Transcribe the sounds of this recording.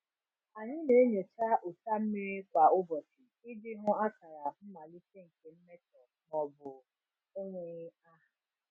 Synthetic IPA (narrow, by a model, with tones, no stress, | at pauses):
a˨ɲɪ˦ne˨˦ɲe˨t͡ʃa˦ʔo˨ta˦m̩˦mi˦ɾi˦kʷa˨ʊ˦bɔ˨ti˨i˦dɪ˦ɾʊ̃˦a˦ka˨ɾa˨m̩˦ma˨li˦t͡ʃe˦˨ŋ̩˨ke˨m̩˦me˦tɔ˨ | nɔ˨bʊ˨ | o˦ŋʷe˨ɲɪ˦a˦ɦa˨